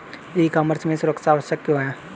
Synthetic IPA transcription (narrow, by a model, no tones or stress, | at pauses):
eikaːməɾsmẽsʊɾəksaːʋəʃəkːoaãː